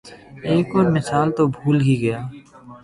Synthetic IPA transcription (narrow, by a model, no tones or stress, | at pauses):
eːkɔːɾmɪsaːlt̪obʱuːlɦiɡɐjaː